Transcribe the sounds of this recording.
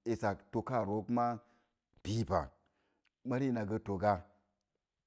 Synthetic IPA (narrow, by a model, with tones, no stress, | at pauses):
e˨sa˨kto˧ka˦˨ɾo˨˦kma˦ | b̥i˦pa̰˨ | ma˦ɾi˦˨na˨ɡə˦to˨ɡa˦